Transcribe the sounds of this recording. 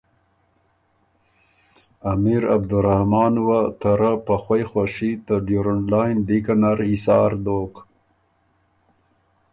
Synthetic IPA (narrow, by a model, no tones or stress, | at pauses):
amiɾab̚d̪uɾahmɑːnwat̪ʰaɾapaxwajxwaʂit̪əɖjuɾəɳlajnɖikanaɾisɑːɾd̪oːk